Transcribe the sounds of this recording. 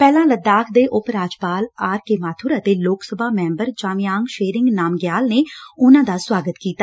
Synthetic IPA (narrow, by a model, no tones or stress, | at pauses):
pɛːlãːləd̪aːkʰd̪eːʔʊpɾaːd͡ʒpaːlaːɾkeːmaːt̪ʰuːɾaːt̪eːloːksəbʱaːmɛ̃ːmbəɾt͡ʃaːmɪjaːŋɡʃeːɾɪŋɡnaːmɡjaːlneːʊnãːd̪aːswaːɡət̪kiːt̪aː